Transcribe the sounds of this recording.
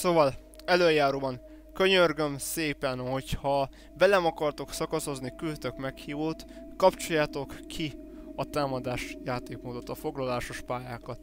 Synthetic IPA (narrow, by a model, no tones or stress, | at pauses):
soːvɒl | ɛløːjaːɾoːbɒŋ | kø̞ɲørɡø̞mseːpɛnho̞chɒ | vɛlɛmɒkɒrt̪o̞ksɒkɒso̞znikylt̪ø̞kmɛkhiːvoːt̪kɒpt͡ʃo̞jːaːt̪o̞kːʰi | ɒt̪aːmɒd̪aːʃjaːt̪eːkmoːd̪o̞t̪ɒfo̞ɡlɒlaːʃo̞ʃpaːjaːkɒt̪